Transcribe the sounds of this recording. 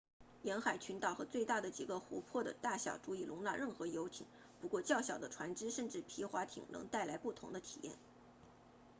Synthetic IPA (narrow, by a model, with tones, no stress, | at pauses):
jɛ˧˥nxa˨˩ɪt͡ɕʰy˧˥nt̪ɑ˨˩ʊxɤ˧˥t͡swe˥˧ɪt̪a˥˩d̪ə˩t͡ɕi˨˩ɡə˦xṵ˧˥pʰwɔ˥˩d̪ə̰˩t̪a˥˩ɕjɑ̰˨˩ʊʈ͡ʂu˧˥i˥˩lʔʊ˧˥ŋla̰˥˧ɻə˥˩nxɤ˧˥jo˧˥ʊt̪ʰḭ˨˩˦ŋ | pu˧˥kwɔ˥˧t͡ɕjɑ˥˩ʊɕjɑ˨˩ʊd̪ə˦ʈ͡ʂʰwa˧˥nʈ͡ʂɻ̩˥ʂə˥˧nʈ͡ʂɻ̩˥˩pʰi˧˥xwa˧˥t̪ʰḭ˨˩ŋnɤ̰˧˥ŋt̪a˥˩ɪla˧˥ɪpu˥˩t̪ʰʊ˧˥ŋd̪ə˧t̪ʰi̥̰˨˩jɛ̰˥˩n